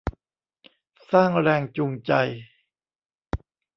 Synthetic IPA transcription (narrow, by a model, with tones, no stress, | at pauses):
saː˥˩ŋɾɛː˧ŋt͡ɕu˧ŋt͡ɕa˧j